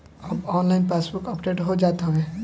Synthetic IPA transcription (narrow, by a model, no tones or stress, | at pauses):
ɐbɔːnlaɪnpeːsbʊkəpɖeːʈɦod͡ʒaːt̪aɦɛ̃